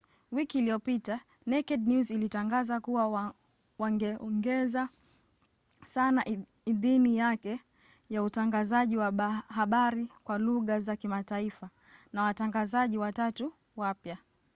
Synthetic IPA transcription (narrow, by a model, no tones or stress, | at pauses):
wikiːliɔpita | nɛkɛɗnjuzilitaŋɡazakuwa | waɡɛɔŋɡɛza | sana | iðinijakɛ | jautaŋɡazaʄiwahaɓaɾikwaluɣazakimataifa | nawataŋɡazaʄiwatatu | wapja